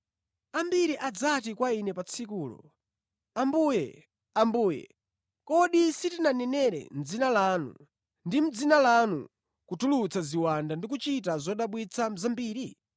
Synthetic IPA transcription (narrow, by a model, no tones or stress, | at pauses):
ambiɾiʔad͡zatikwainɛpat͡sʰikuːlɔ̰ | ambuːjɛ̰ | ambuːjɛ̰ | kɔɗisitinanɛnɛɾɛ̰n̩d͡zinalanṵ | ndim̩d͡zinalanṵ | kutʰulut͡sʰaziwandandikut͡ʃitazɔɗaɓwit͡sʰam̩zambiːɾi